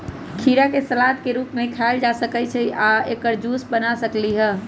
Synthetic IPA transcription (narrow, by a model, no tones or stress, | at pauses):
kʰiɾakesəlat̪keɾupmekʰaeld͡ʒasəkət͡ʃʰɛʔaekəɾd͡ʒusbənasəkliɦə